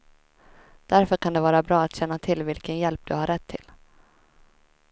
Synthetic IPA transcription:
d̪̥æɾfœɾkʰand̪ɛvɑːɾabɾɑːat̪ɕɛnːat̪ʰɪlvɪlkənjɛlp̚d̪̥ɵhaɾːɛt̪ʰːɪl

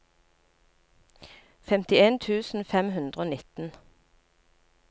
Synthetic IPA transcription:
fɛmt̪ɪeːnt̪ʰʉːsn̩fɛmhʉnd̪ʁəoːnɪt̪n̩

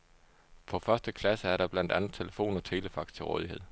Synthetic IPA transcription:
pʰɒ̽fɶɐsd̥əkʰlæsəæɐɾ̥ɑ̈b̥læn̰d̥ænð̩ˠt͡sʰe̝ləfo̝̰ːnɒ̽t͡sʰe̝ːləfɑ̈ɡ̥d̥̚t͡sʰe̝lʁɔ̽ːð̞ˠihe̝ð̰ˠ

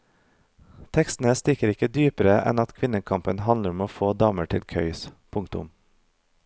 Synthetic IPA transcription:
t̪ʰɛkst̪n̩əst̪ɪkəɾɪkəd̪yːpəɾəʔɛ̰nɑt̪kʰʋɪnəkʰɑmpənhɑnləɾʊmoːfoːd̪ɑːməʈʰɪlkʰœʏspʰʊŋt̪ʊ̰m

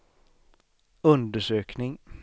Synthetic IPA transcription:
ɵnd̪əʂøːknɪŋ

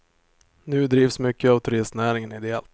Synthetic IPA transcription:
nʉ̟ːd̪ɾiːvsmʏkːəavt̪ʰɵɾɪst̪næːɾɪŋənɪd̪ɛɛlt̪

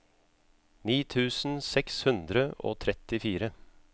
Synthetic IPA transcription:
niːt̪ʰʉːsn̩sɛkshʉnd̪ɾəo̰ːt̪ʰɾɛt̪ɪfiːɾə

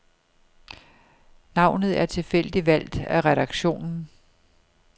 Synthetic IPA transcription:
nɑ̈ʊ̰nð̞̩ˠæɐt͡sʰe̝fel̰d̥iʋæl̰d̥æʁɛɾ̥ɑ̈ɡ̥ɕo̝̰ːnn̩

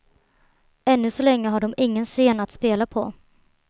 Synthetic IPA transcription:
ɛnːɵsɔlɛŋːəɦaɖɔmɪŋːənseːnat̪speːlapʰɔ̰

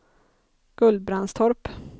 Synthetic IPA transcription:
ɡ̥ɵld̪̚bɾanst̪ʰɔɾp

